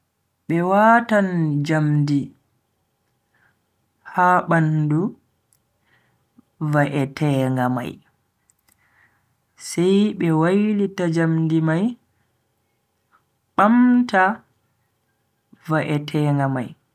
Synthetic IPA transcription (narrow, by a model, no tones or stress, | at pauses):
ɓɛwatand͡ʒamdi | haːɓandu | vaʔɛtʰɛːŋɡama̰j | sɛjɓɛwajlitad͡ʒamdimaj | ɓamta | vaʔɛtʰɛːŋɡama̰j